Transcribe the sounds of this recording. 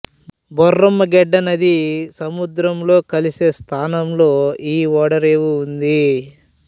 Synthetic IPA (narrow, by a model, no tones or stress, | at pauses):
bɔrːɐmːɐɡɛɖːɐnɐd̪isɐmud̪ɾɐmlo̞ːkɐlise̞ːst̪ʰaːnɐmlo̞ːiːɔːɽɐɾeːwuund̪i